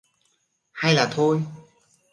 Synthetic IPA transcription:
ha˧jlaː˨˩t̪ʰo˧j

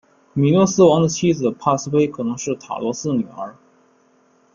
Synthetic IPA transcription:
mi˨˩lwɔ˥sɹ̩˥wɑ˧˥ŋd̪ə˧t͡ɕʰi˥d͡zɹ̩˨˩pʰa˥˧sɹ̩˥pe˥ɪkʰɤ˨˩nɤ˧˥ŋʂɻ̩˥˩t̪ʰa̰˨˩lwɔ˧˥sɹ̩˥˩ny˨˩ə̰˞˧˥

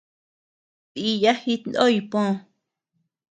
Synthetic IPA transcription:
ti˧ja˦hi˦˧t̪nd̪o˦i˧põ˦˧

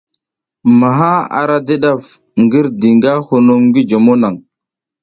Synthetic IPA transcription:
ma˨ɦa˦a̰˨ɾa˦di˦ɗa˦˨f | ŋɡi˦ɾdi˨ŋɡa˦hu˨nu˦mɡi˦d͡ʒo˨mo˦na˨ŋ

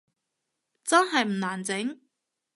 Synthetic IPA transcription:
t͡sɐ˥nɦɐ˨jm̩˨˩naː˨˩nt͡sɪ˨˥ŋ

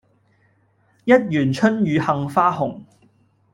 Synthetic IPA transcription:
jɐ˥t̚jyː˨˩nt͡ʃʰɵ˥njyː˨˧hɐ˨ŋfaː˥hʊ˨˩ŋ

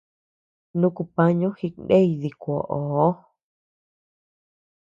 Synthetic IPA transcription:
nũ˦ku˧pã˦ɲũ˦hi˧knde˦i˧ði˧kʷo˨ʔo˨˦

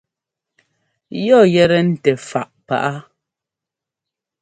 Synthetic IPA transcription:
jɔ˦˨jɛ˦˨ɾɛ˦n̩˦tɛ˨fa˨ʔpa̰˨ʔa˦

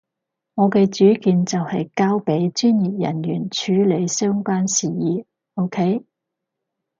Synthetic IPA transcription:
ŋɔː˨˧kɛː˧t͡ʃyː˨˥kiː˨˧nt͡sɐ˨whɐ˨jkaː˥wpe˨˥jt͡ʃyː˥nji˨p̚jɐ̰˨˩njyː˨˩nt͡ʃʰyː˨˥le˨˧jsœː˥ŋkʷaː˥nsiː˨˩jiː˨˧ | o˥wkʰe˥j

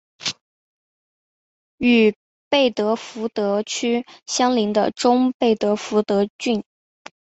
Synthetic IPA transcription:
y˨˩ | pe˥˩ɪt̪ɤ˧˥fu˧˥t̪ɤ˧˥t͡ɕʰy˥ɕjɑ˥ŋli˧˥ŋd̪ə̰˧ʈ͡ʂʊ˥ŋpe˥˩ɪt̪ɤ˧˥fu˧˥t̪ɤ˧˥t͡ɕy˥˩n

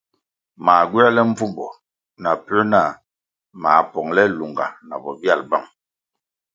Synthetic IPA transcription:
maː˨ɡwi˦a˦lɛ˦m̩˦b͡vu˦mbɔ˨ | na˨pə˦na˦˨ | ma˨pɔ˨ŋlɛ˦lu˨ŋɡa̰˨na̰˨bɔ˨bja˦˨lba˦˨ŋ

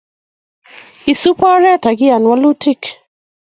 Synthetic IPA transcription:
i˨su˦pɔ˦ɾɛ˦˨ta˨ɡɪ˦a˨nwa˦lu˦tʰi˦k

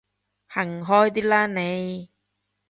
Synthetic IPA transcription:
hɐ˨˩ŋɦɔː˥jt̪̬iː˥laː˥ne˨˧j

